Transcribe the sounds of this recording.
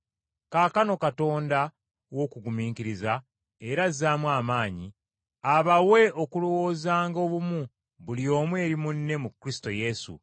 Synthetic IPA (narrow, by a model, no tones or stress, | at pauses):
kaːkano̞kato̞ːnda | wo̞kuɡumiːŋkiɾiza | e̞ɾazːaːmwaːmaːɲi | aβawe̞ʔo̞kulowo̞ːzaːŋɡo̞ːβumu | βulijo̞ːmwe̞ːɾimunːe̞mukːɾisto̞je̞sṵ